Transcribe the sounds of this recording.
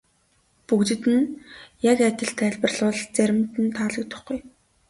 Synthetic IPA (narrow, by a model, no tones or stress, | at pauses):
pukt͡ɕɘ̆t̪ɘ̆njakæt̪ʲɪ̆ɬt̪ʰæːɮpə̆rɮʊːɮt͡sæɾʲɪ̆mt̪ɘ̆nt̪ʰaːɮə̆k̚t̪ʊ̥̆χɡuj